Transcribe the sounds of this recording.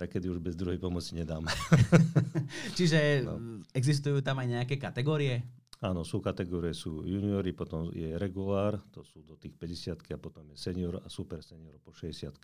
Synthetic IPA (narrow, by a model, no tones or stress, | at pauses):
t̪akɛd̪iuʒbɛzd̪ɾuɦɛjpɔmɔt͡siɲɛd̪aːmɛ | t͡ʃiʒɛ̰ | ɛɡzis̬t̪ujuːt̪amajɲɛakɛːkat̪ɛɡɔːɾijɛaːnɔsuːkat̪ɛɡɔːɾijɛsuːjuniɔɾipɔt̪ɔmjɛɾɛɡulaːɾt̪ɔsuːd̪ɔt̪iːxpɛɟɛsɪat̪kiapɔt̪ɔmjɛsɛɲɪɔɾa̰supɛɾsɛɲɪɔɾpɔʃɛɟɛsɪat̪ki̥